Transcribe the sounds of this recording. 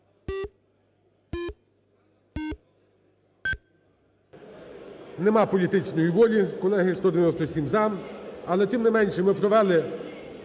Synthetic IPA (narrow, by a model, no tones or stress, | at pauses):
nemɑpɔlʲit̪ɪt͡ʃnɔjiʋɔlʲikɔlˠɛɦɪst̪ɔd̪eʋʲenɔst̪ɔsʲimzɑmɐlˠɛt̪ɪmnemɛnʲʃɛmɪpɾɔʋɛlˠɪ